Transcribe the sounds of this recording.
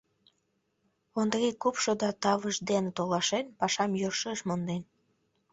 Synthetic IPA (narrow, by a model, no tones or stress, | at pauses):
ond̪rikupʃod̪ɑt̪ɑβəʃd̪enet̪olɑʃenpɑʃɑmjørʃəʃmond̪en